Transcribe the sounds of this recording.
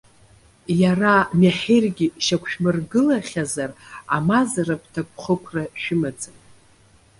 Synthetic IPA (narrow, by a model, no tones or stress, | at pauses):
jaramaħerɡʲiʃakʷʰʃᶣmɨrɡɨlaχʲazara̰mazarapʰtʰakʷʰʼχəkʷʰraʃᶣɪmad͡zʼa